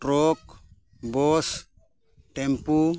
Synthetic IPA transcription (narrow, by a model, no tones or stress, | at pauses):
ɾok̚ | bos | ʈempu